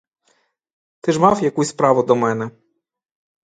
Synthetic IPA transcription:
t̪ɪʐmafjakujspɾavɔd̪ɔmɛnɛ

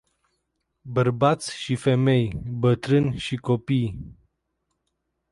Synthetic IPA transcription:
bərbat̪sʲʃife̞me̞jbət̪ɾɨnʲʃiko̞pij

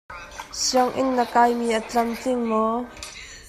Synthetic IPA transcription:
siəŋʔɪ̰nːəkajmiːʔət͡ɬɐmt͡sɪŋmɔ

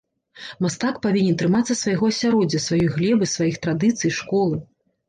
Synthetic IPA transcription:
mast̪akpavʲinʲɛnt̪ɾɨmat̪sːɐsvajɣɔɐsʲaɾɔd͡zʲːɐsvajɔjɣlʲɛbɨsvajixt̪ɾad̪ɨt̪sɨjʂkɔlˠɨ

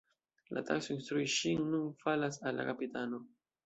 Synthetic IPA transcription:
la̰ta̰ksoinst̪ɾuiʃinːunfalasalːa̰kapitano̞

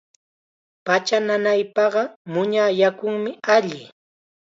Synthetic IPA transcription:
pat͡ʃananajpɑɢɑmʊɲajakʊŋmɪaʎɪ

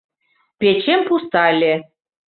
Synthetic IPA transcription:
pʲet͡ɕempust̪ɑlʲe

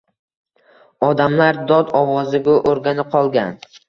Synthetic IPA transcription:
ɒd̪amlaɾd̪ɒd̪ɒwɒzɪɡʊʔoɾɡʲanɪqʰɒlˠɡʲan

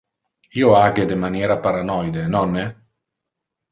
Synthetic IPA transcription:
iːoaɡed̪emanjeːɾapaɾanɔjd̪enɔnːe

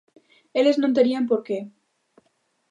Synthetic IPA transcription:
e̞le̞znont̪eɾiampo̞ɾke̞

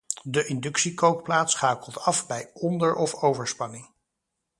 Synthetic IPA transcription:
dəʔɪndɵksikowkplaːtsχaːkəlˠtʰɑfbɛjʔɔndəɹʔɔfowvəɹspɑnɪŋ

